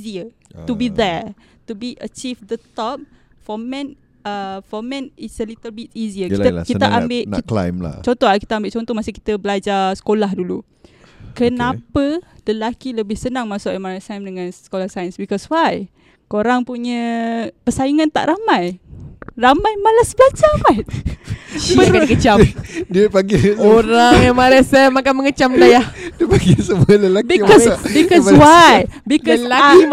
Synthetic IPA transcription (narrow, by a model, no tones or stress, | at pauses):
ziət̪ubid̪ɛ | tubiʔət͡ʃifd̪ət̪ɔp̚ | fɔmɛ̃n | əfɔmɛ̃nisəlit̪əlbit̪̚iziəiəkiaʔambɪʔkla̰jmla̰t͡ʃɔnt̪ɔakit̪əambɪʔt͡ʃɔnt̪ɔhmasɪki̥t̪əbəlad͡ʒasə̥kolaɦdulṵ | kənãpədəlakiləbɪhsənãŋmasʊʔemanasajmdəŋãnsə̥kolahsajənsbikɔswaj | koɾaŋpuɲəpəsajiŋant̪a̰ʔɾʔamãj | ramajmalasəblat͡ʃamajt̪̚ | əkakət͡ʃadəpaɡisoɾaŋamaɾɛsɛmːakanməŋət͡ʃamlajadpaɡisəmuələlakbikɔsbikɔswajbikɔlaki